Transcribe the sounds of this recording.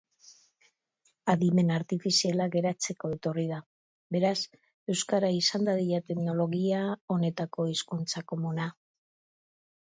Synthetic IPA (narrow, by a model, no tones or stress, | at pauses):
aðime̞naɾt̪ifisialaɣe̞ɾat͡se̞ko̞e̞t̪o̞rið̞a | be̞ɾas | e̞wskaɾaisand̪aðiʎat̪e̞mno̞lo̞ɣiao̞ne̞t̪ako̞iskunt͡sako̞muna